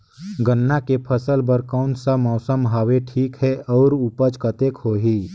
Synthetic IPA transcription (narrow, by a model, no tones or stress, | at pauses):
ɡənːakepʰəsəlbəɾkɔːnsamɔːsəmɦaːweʈʰiːkɦɛʔɔːɾupət͡ʃkət̪eːkɦoːɦiː